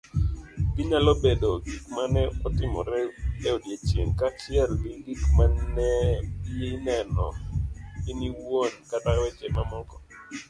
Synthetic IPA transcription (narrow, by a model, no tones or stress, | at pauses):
kiɲalobedoɡikmanɛɔtɪmɔ̰ɾɛɛodjet͡ʃḛŋkat͡ʃɪɛlliɡikmanɛjinɛnɔ̰ | ɪniwonkatawɛt͡ʃɛmamɔlkɔ̥